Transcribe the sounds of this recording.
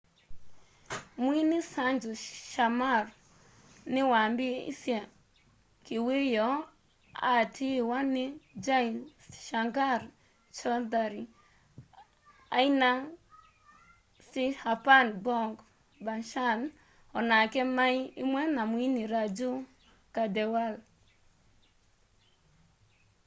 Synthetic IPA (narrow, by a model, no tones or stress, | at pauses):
mwinɪsand͡ʒɔʃamar | nɪwambɪḭsjɛ | kiwejɔ | a̰tʰiwanɪd͡ʒaiʃaŋɡaɾ | t͡ʃɔdaɾi | aina | sɪhapanbɔŋɡ | banʃan | ɔnakɛmaiimwɛnamwiniɾad͡ʒu | kadɛwal